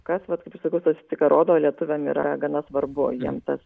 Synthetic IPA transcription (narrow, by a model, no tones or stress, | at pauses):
kɐsʋɐt̪kɐɪpɪʃsɐkɐʊsɐsʲɪt͡sʲɪkɐɾʔoːd̪oːlʲiɛt̪ʊʋʲemḭːɾɐ̰ɡɐnɐsʋɐɾbʊjiɛmt̪ɐs